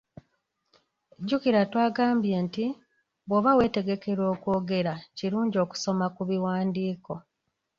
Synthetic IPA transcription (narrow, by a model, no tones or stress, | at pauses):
ɟːukiɾatwaːɡaːmbje̞ːnti | βwoβawe̞ːte̞ɡe̞ke̞ɾwo̞ːkwo̞ːɡe̞ɾaciɾuːɲɟio̞ːku̥so̞makuβiwaːndiːko̞